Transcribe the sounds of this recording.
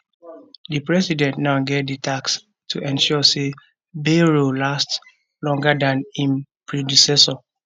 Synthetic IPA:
dipɹɛsidɛ̃ntnaʊɡetditʰaks | tʰuʔɛ̃nʃɔse | beɹolast | lɔ̃ŋɡədãnĩnpɹidisɛsɔ

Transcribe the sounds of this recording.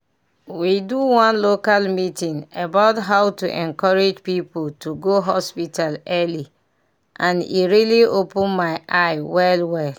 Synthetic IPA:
widuwɔ̃nlokalmitĩŋabaʊtɦawtuʔɛ̃nkɔɹed͡ʒpipultʰuɡoɦɔspitalɛli | ʔãnḭɹiliopũnmaɪʔaɪwɛlwɛl

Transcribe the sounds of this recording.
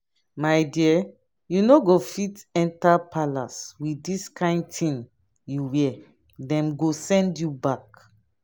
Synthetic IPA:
maɪdiɛ | junoɡofitɛ̃ntapʰalaswidiskãɪ̃ndtʰĩn | juwɛ | dɛ̃mɡosɛ̃ndjubak

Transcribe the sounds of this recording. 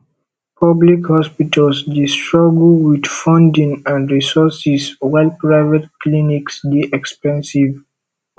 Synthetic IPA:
pʰʌblikhɔspitəlsdistɹɔɡl̩wid̪fɔ̃ndĩŋãndɹisɔsiswaɪlpɹaɪvətkliniksdiʔɛkspɛ̃nsiv

